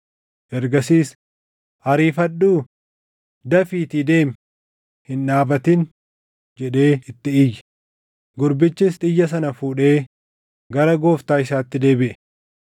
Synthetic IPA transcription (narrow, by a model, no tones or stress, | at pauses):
ʔɛɾɡɐsiːs | hɐɾiːfɐɗuː | d̪ɐfiːt̪id̪e̞ːm | hɪnːaːbɐt̪ɪn | d͡ʒɛᶑe̞ːɪt̪ːɪɪj | ɡʊɾbɪt͡ʃːɪs̬t̪ʼɪjːɐs̬ɐnɐfuːᶑe̞ː | ɡɐɾɐɡo̞ːft̪aːɪsaːt̪ːɪd̪e̞ːbɪʔɛ̥